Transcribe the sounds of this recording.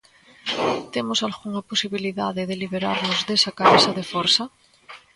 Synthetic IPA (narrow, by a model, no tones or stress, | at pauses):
t̪emosalɣuŋaposiβ̞iliðaðeðeliβ̞eɾaɾnozðesakaβesaðefoɾsa